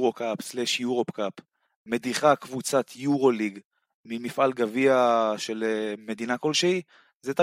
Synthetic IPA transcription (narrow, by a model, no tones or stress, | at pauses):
ʁokapsleʃjuʁo̞pkap | med̪iχakvut͡sat̪ʰjuʁo̞liɡ | mimifʔalɡaviaʃe̞leme̞d̪inakolʃei | zet̪a